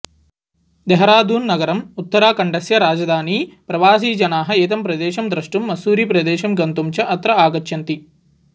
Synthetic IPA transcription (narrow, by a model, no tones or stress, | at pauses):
d̪ɛɦɐɾaːd̪ʱuːnːɐɡɐɾɐmut̪ːɐɾaːkɐɳɖɐsjɐɾaːd͡ʒɐd̪ʱaːniːpɾɐʋaːsiːd͡ʒɐnaːɦɐ̆eːt̪̬ɐmpɾɐd̪ɛːʃɐmd̪ɾɐʂʈumːɐsuːɾipɾɐd̪ɛːʃɐmɡɐnt̪umt͡ʃɐʔɐt̪ɾɐaːɡɐt͡ʃːʃjɐnt̪i